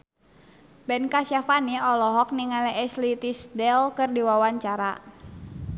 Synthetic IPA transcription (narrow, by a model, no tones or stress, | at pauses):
bɛnkasafaniɔlɔɦɔk̚niŋalɛɛslit̪isdɛlkɨrdiwawaɲt͡ʃaɾa